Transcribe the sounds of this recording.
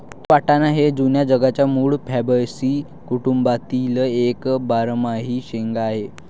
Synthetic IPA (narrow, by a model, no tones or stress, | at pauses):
ʋaʈanaɦed͡zunjad͡zəɡat͡ɕjamuːɭpʰɛbəjsiː | kuʈumbat̪iləekbaɾmaɦiːɕeŋɡaːɦe